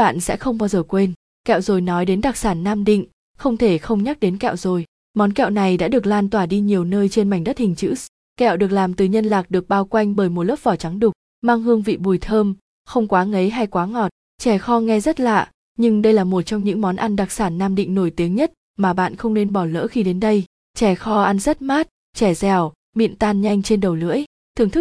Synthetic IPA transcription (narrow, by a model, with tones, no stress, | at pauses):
a̰ː˧˨nsɛ̰˧˥xə˧wŋ͡mɓaː˧wzəː˨˩kwe˧n | kɛ̰˧˨wzo˨˩jnɔ˨˦jɗe˨˦nɗa˨˩k̚saː˧˩nːaː˧mɗḭ˧˨ŋ̟ | xə˧wŋ͡mt̪ʰe˧˩xə˧wŋ͡mɲa˦˥k̚ɗe˨˦nkɛ̰˧˨wzo˨˩j | mɔ˨˦nkɛ̰˧˨wna˨˩jɗa̰ː˧˥ɗɨ˨˩ə˩k̚laː˧nt̪waː˧˩ɗi˧ɲi˨˩əwnəː˧jt͡ɕe˧nma˨˩jŋ̟ɗə˦˥t̚hï˨˩ŋ̟t͡ɕɨ̰˧˥ | kɛ̰˧˨wɗɨ˨˩ək̚laː˨˩mt̪ɨ˨˩ɲə˧nlaː˨˩k̚ɗɨ˨˩ək̚ɓaː˧wkwa˧jŋ̟ɓəː˧˩jmo˨˩ləː˦˥p̚vɔ˧˩t͡ɕa˨˦ŋɗʊ˨˩k̚ | maː˧ŋɦɨ˧əŋvḭ˧˨ɓu˨˩jt̪ʰəː˧m | xə˧wŋ͡mkwaː˨˦ŋə˨˦jɦa˧jkwaː˨˦ŋɔ˨˩t̚ | t͡ɕɛ˧˩xɔ˧ŋɛ˧zə˦˥t̚la̰ː˧˨ | ɲɨ˧ŋɗə˧jlaː˨˩mo˨˩t̚t͡ɕɔ˧wŋ͡mɲɨ̰˧˥ŋmɔ˨˦nʔa˧nɗa˨˩k̚saː˧˩nːaː˧mɗḭ˧˨ŋ̟no˧˩jt̪i˨˦əŋɲə˦˥t̚ | maː˨˩ɓa̰ː˧˨nxə˧wŋ͡mne˧nɓɔ˧˩lə̰ː˧˥xi˧ɗe˨˦nɗə˧j | t͡ɕɛ˧˩xɔ˧ʔa˧nzə˦˥t̚maː˦˥t̚ | t͡ɕɛ˧˩zɛ˨˩w | mḭ˧˨ənt̪aː˧nɲa˧jŋ̟t͡ɕe˧nɗə˨˩wlɨ̰˧˥əj | t̪ʰɨ˨˩əŋt̪ʰɨ˦˥